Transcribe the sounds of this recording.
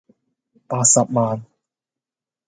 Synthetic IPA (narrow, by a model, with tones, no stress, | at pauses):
paː˧t̚sɐ˨p̚maː˧n